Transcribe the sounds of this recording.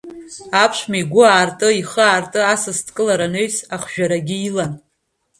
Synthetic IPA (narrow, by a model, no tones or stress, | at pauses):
apʰʃʷmaiɡʷʊaːrtʼɨiχəaːrtʼɨasɨstʰkʼɨlaɾaneɥsaχʒᶣaɾaɡʲɪilan